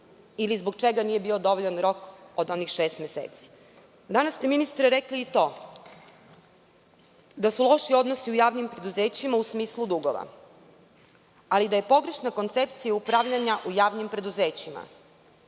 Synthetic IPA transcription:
ilizboɡ̚t͡ʃeɡanije̞bio̞d̪o̞ʋoʎanɾo̞kod̪o̞nixʃeːst̪mʲjesḛːt̪si̥ | d̪anast̪eminist̪ɾeɾekliːt̪o̞ː | d̪asulˠo̞ʃio̞d̪nosiujaːʋnimpɾe̞d̪uzeːt͡ɕimausmiːslˠud̪uɡoʋa̰ | alid̪aje̞po̞ɡɾeʃnako̞nt̪sep̚t̪sijaupɾaʋʎaɲaʔujaːʋnimpɾe̞d̪uzeːt͡ɕima̰

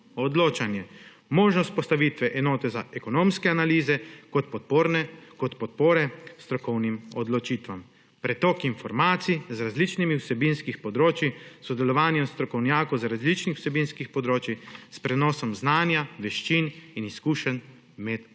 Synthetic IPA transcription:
ɔd̪loːt͡ʃanjɛ | mɔːʒnɔst̪̚pɔst̪aʋit̪ʋɛʔɛnɔːt̪ɛzaɛkɔnoːmskɛanaliːzɛkɔt̪̚pɔt̪̚poːɾnɛkɔt̪pɔt̪̚poːɾɛst̪ɾɔkɔwnimɔd̪lɔt͡ʃiːt̪ʋam | pɾɛt̪ɔːkinfɔɾmaːt̪sizɾazlit͡ʃnimiwsɛbinskixpɔd̪ɾoːt͡ʃisɔd̪ɛlɔʋaːnjɛmst̪ɾɔkɔwnjaːkɔzɾazlit͡ʃnixw̥sɛbinskixpɔd̪ɾoːt͡ʃispɾɛnɔːsɔmznaːnjaʋɛʃt͡ʃininiskuːʃən | mɛt̪

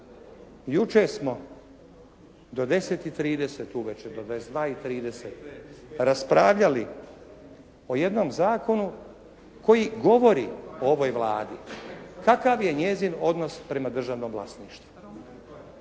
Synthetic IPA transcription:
jut͡ʃeɾsmo̞ | d̪o̞d̪e̞set̪it̪ɾiːd̪eset̪uʋet͡ʃed̪od̪esd̪ʋaːit̪ɾiːd̪eset̪ɾaspɾaːʋʎali | o̞je̞d̪no̞mzaːko̞nu | ko̞jiɡo̞ʋo̞ɾioo̞ʋojʋlˠaːd̪ikakaʋje̞ɲe̞zino̞d̪no̞spɾe̞mad̪r̩ʒaʋno̞ːmvlˠasniːʃt̪ʋu̥

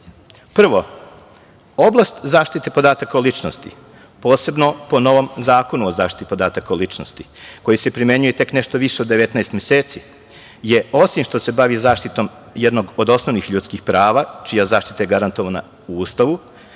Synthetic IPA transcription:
pr̩ʋo | o̞blˠast̪zaːʃt̪it̪epo̞d̪aːt̪akaolˠit͡ʃnost̪ḭ | po̞ːse̞bno̞po̞no̞ʋo̞mzaːko̞nuozaːʃt̪i̥t̪ipo̞d̪aːt̪akaolit͡ʂnost̪i̥ko̞jise̞pɾimje̞ɲujet̪e̞kne̞ʃt̪o̞ʋiʃeod̪ːe̞ʋet̪naest̪mjeseːt̪si | je̞o̞simʃt̪ose̞baʋizaːʃt̪it̪o̞m | jed̪no̞ɡod̪o̞snoʋnixʎuːt̪skixpɾaːʋat͡ʃijazaːʃt̪i̥t̪ajeɡaɾant̪o̞ʋana̰ | uuːst̪aʋu

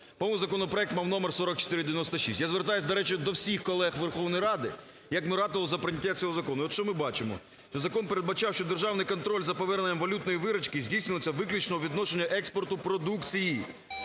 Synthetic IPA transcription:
pɔmʊzɐkɔnɔpɾɔɛk̚t̪mɑwnɔmersɔɾɔkt͡ʃo̥t̪ɪɾɪd̪eɪʋʲɪnɔst̪ɐʃḭsʲtʲjazʋert̪ajʊsʲd̪ɐɾɛt͡ʃɪd̪ɔwsʲixkɔlˠɛxʋerxɔwnɔjɾɑd̪ɪ | jɐkmɪɾɑt̪ɪʋɐlˠɔzɐpɾɪnʲɐkʲːat͡sʲɔɦɔzɐkɔnʊiɔt̪ʃt͡ʃɔmɪbɑt͡ʃɪmɔ̰ | ʃt͡ʃɔzɐkɔnpeɾed̪bɐt͡ʃɑwʃt͡ʃɔd̪erʒɑwnɪjkɔnt̪ɾɔlʲzɐpɔʋɛrnenʲːɐmʋɐlʲut̪nɔjiʋɪɾɐt͡ʃkɪzʲdʲijsʲnelˠɔt͡sʲːɐʋɪklʲut͡ʃnɔɦɔʋʲid̪nɔʃenʲːɐʔɛkspɔrt̪ʊpɾɔd̪ukt͡sʲiji

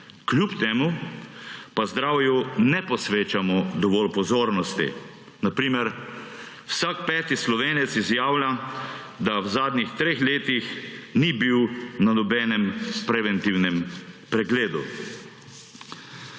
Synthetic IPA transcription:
kljupt̪eːmu | pazd̪ɾaːwjunɛpɔsʋeːt͡ʃamɔd̪ɔʋɔːlpɔzoːɾnɔst̪ḭ | napɾiːmɛɾ | wsakpɛːt̪islɔʋeːnɛt̪sizjaːwlja | d̪awzaːd̪nixt̪ɾeːxleːt̪ixnibiwnanɔbɛːnɛmpɾɛʋɛnt̪iwnɛmpɾɛɡleːd̪ṵ

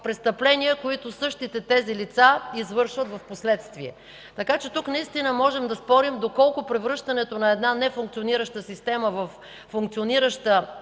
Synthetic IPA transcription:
pɾɛst̪ɐplɛnijəkoit̪osɤʃt̪it̪ɛt̪ɛzilit̪saizvɤɾʃvət̪vɐfposlɛt̪st̪viɛ | t̪ɐkat͡ʃɛt̪uknɐist̪inəmɔʒɛmd̪ɐspɔɾimd̪okɔlˠkʊpɾɛvɾɤʃt̪ɐnɛt̪onɐɛd̪nanɛfuŋkt̪sioniɾəʃt̪əsist̪ɛməvɐfː | uŋk̚t̪sioniɾəʃt̪ə

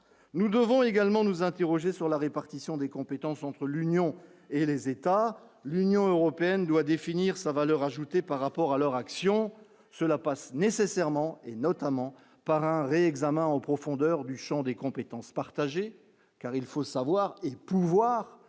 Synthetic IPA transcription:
nud̪əvɔ̃eɡalmɑ̃nuzɛ̃t̪eʁɔʒesyʁlaʁepaʁt̪isjɔ̃d̪ekɔ̃pet̪ɑ̃sɑ̃t̪χəlynjɔ̃ | elezet̪alynjɔ̃øʁɔpeɛnd̪wad̪efiniʁsavalœʁaʒut̪epaʁːapɔʁalœʁaksjɔ̃ | səlapasnesesɛʁmɑ̃enɔt̪amɑ̃ | paʁɛ̃ʁeɛɡzamɛ̃ɑ̃pχɔfɔ̃d̪œʁd̪yʃɑ̃d̪ekɔ̃pet̪ɑ̃spaʁt̪aʒe | kaʁilfosavwaʁepuvwaːʁ

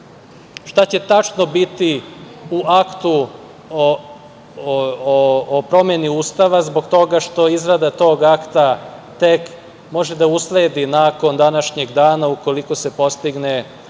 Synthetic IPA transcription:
ʃt̪at͡ɕe̞t̪at͡ʃno̞bit̪i | uakt̪u | opɾo̞mje̞niuːst̪aʋazboɡt̪o̞ɡaʃt̪o̞izɾad̪at̪o̞ːɡakt̪at̪e̞k | mo̞ʒed̪ausleːd̪inaːko̞nd̪anaʃɲeɡd̪aːnauko̞liko̞se̞po̞st̪iɡne

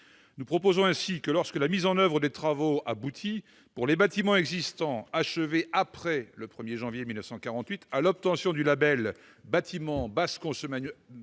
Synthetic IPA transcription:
nupχɔpozɔ̃ɛ̃sikəlɔʁskəlamizɑ̃nœvʁəd̪et̪χavoabut̪ʰi | puʁlebat̪imɑ̃ɛɡzist̪ɑ̃aʃəveʔapχɛləpχəmjeʒɑ̃vjemilnəfsɑ̃kaʁɑ̃t̪ɥit̪alɔp̚t̪ɑ̃sjɔ̃d̪ylabɛl | bat̪ʰimɑ̃baskɔ̃səman

